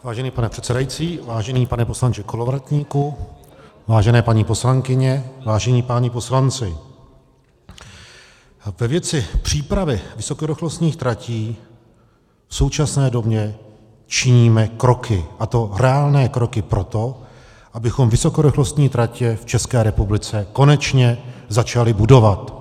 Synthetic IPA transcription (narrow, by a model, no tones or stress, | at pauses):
vaːʒɛniːpanɛpr̝̥ɛt̪sɛdajit͡siːvaːʒɛniːpanɛpo̞slant͡ʃɪkolovɾat̪ɲiːku | vaːʒɛnɛːpaɲipo̞slaŋkɪɲɛvaːʒɛɲiːpaːɲɛpo̞slant͡sɪ | vɛvjɛt͡sɪpr̝̥iːpɾavɪvɪso̞koɾɪxlost̪ɲiːxt̪ɾaciː | fso̞wt͡ʃasnɛːdo̞bɲɛ | t͡ʃɪɲiːmɛkɾo̞kʰɪʔat̪o̞rɛaːlnɛːkɾo̞kɪpɾot̪o̞ | ʔabɪxo̞mvɪso̞koɾɪxlo̞st̪ɲiːt̪ɾacɛft͡ʃɛskɛːɾɛpublɪt͡sɛko̞nɛt͡ʃɲɛzat͡ʃalɪbudo̞vat̪